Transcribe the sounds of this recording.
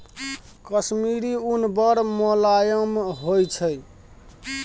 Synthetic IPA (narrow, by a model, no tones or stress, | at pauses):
kəsmiɾiunbəɾmolajəmɦojt͡ʃʰəj